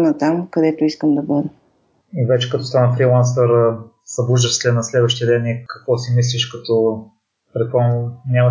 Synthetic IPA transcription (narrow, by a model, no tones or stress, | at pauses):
nɐt̪amkɐd̪ɛt̪ʊiskəmd̪ɐbɤd̪ə | ivɛt͡ʃɛ̥kɐt̪ɔst̪anəfɾilˠans̬t̪əɾ | sɐbuʒəst̪ʲɛnɐslɛd̪vɐʃt̪iəd̪ɛnikɐkvɔsimis̬liʃkɐt̪ɔ | pɾɛt̪̚pɔnʲamɐ